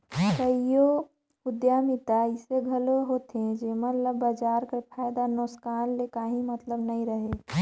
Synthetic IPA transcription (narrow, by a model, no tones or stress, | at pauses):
kəijo | ʊd̪jaːmɪt̪aɪseɡʱəloɦoːt̪ẽd͡ʒemət̪ləbːad͡ʒaːɾkapʰaːjd̪anoskaːnlekaːɦĩmət̪ləbnəɦĩɾəɦe